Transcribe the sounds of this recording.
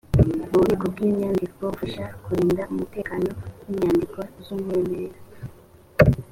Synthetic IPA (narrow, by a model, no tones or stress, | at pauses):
muβikobɡiːɲɲaːndikowofaʃakuɾiːndaumute̞ːkaːno̞jiɲaːndikozumwueːmeɾeɾa